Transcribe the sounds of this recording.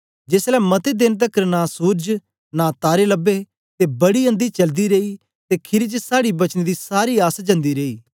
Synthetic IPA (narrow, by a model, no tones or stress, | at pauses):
d͡ʒɪslɛːmɐt̪ed̪ɪnt̪̬əkɾnaːsuːɾd͡ʒ | naːt̪aːɾeːləbːeː | t̪eːbɐɽiːə̃nd̪iːt͡ʃɐld̪iːɾeːiː | t̪eːkʰɪɾit͡ʃəsaːɽiːbɐt͡ʃned̪iːsaːɾiːaːsad͡ʒɐ̃nd̪iːɾeːiː